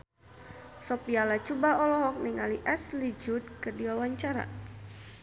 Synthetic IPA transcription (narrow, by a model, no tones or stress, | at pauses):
sɔpialat͡ʃubaɔlɔɦɔk̚niŋaliʔɛslid͡ʒud̪̚kərdiwawaɲt͡ʃaɾa̰